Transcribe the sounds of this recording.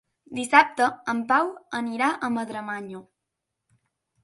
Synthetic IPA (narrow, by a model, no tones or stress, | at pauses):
d̪isap̚t̪əːmpawəniɾaʔəməðɾəmaɲo